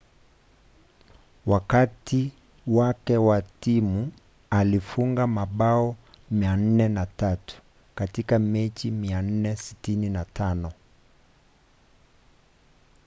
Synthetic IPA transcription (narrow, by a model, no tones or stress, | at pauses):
wakati | wakɛwatimu | alifuŋɡamaɓaɔ | mian̩nɛnatatu̥ | katikamɛt͡ʃimian̩nɛsitininatʰanɔ